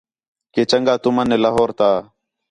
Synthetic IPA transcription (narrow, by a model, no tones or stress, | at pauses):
keːt͡ʃəŋɡaːt̪ʊmənːeːlaːɦoːɾt̪aː